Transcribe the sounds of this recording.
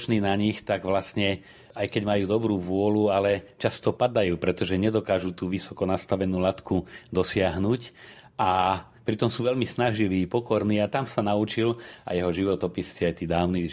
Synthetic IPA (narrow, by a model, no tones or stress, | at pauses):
t͡ʃniːnaɲixt̪aɡʋlasɲɛ | ajkɛɟmajuːd̪ɔbɾuːʋʊɔlualɛt͡ʃast̪ɔpad̪ajuːpɾɛt̪ɔʒɛɲɛd̪ɔkaːʒut̪uːʋisɔ̥kɔnast̪aʋɛnuːlat̪kud̪ɔsɪaɦnuc | ʔa | pɾit̪ɔmsuːʋɛʎmisnaʒiʋiːpɔkɔɾniːat̪amsanaut͡ʃila̰jɛɦɔʒiʋɔt̪ɔpist͡siajt̪iːd̪aːʊniː